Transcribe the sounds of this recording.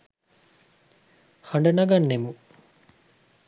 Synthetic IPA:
haɳɖɐnɐɡɐnːemu

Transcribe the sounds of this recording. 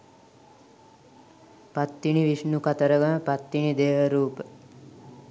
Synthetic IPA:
pat̪ːiɳiʋiʂnukɐt̪əɾəɡapat̪ːiɳid̪eːʋəɾuːpə

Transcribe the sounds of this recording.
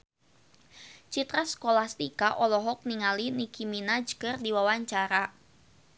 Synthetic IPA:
t͡ʃit̪ɾasə̥kolahst̪ikaʔɔlɔɦɔk̚niŋalinikiminad͡ʒə̥kərdiwawaɲt͡ʃaɾa

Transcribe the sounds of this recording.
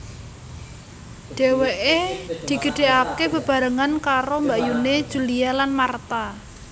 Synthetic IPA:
ɖ̥e̤weʔed̪̥i̤ɡ̥ə̤ɖ̥e̤ʔakeb̥ə̤b̥a̤ɾəŋankaɾombajuned̥ʒ̥ṳlialanmart̪a

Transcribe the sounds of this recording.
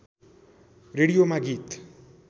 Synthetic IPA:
reɽijomaɡit̪

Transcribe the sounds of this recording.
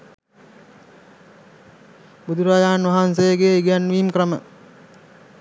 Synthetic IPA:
bud̪uɾaːjaːnʋaɦansejəɡeiɡjanʋiːmkrəmə̰

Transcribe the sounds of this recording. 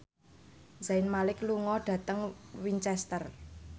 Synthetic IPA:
zaɪnmalɪkluŋɔɖ̥ä̤t̪əŋwiɲt͡ʃɛst̪ər

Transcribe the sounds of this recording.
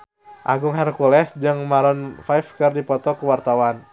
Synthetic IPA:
ʔaɡʊŋɦɛrkulɛsd͡ʒɨŋmaɾɔnfajfkɨrdipɔt̪ɔkuwart̪awan

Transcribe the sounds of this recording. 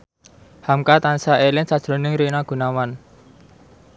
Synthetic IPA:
hamkat̪ansaʔelɪnsad̥ʒ̥ɾo̤nɪŋɾinaɡ̥ṳnawan

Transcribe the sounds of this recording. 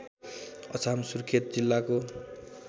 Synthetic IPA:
ʌt͡sʰamsurkʰet̪̚d͡zilːako

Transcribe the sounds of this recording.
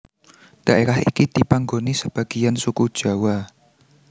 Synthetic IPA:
d̥aʔeɾahḭkid̪̥ipaŋɡonisəb̥a̤ɡ̥ijansukud̥ʒ̥a̤wa

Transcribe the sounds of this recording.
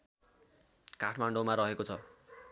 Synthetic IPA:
kaʈʰmaɳɖomaɾʌɦekot͡sʰʌ

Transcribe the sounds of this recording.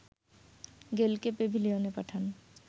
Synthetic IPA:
ɡelkepebʱilionepaʈʰan

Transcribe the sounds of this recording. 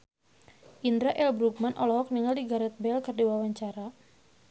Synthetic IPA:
ʔindɾaʔɛlbɾuɡ̚manʔɔlɔɦɔk̚niŋaldiɡaɾɛt̪̚bɛlkərdiwawaɲt͡ʃaɾa

